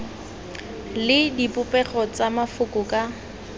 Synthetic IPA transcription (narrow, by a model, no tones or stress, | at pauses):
lɪdipʼʊpʼɛχɔt͡samafʊkʼʊkʼa